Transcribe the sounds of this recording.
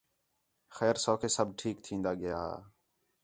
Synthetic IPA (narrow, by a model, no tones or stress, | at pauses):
xɛːɾsoːkʰeːsəbʈʰiːk̚t̪ʰĩːnd̪aːɠɪja̰ːa̰ː